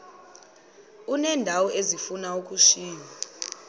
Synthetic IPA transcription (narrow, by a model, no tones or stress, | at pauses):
unɛndʱawɔʔezifunauk̬ʼuʃiːɲa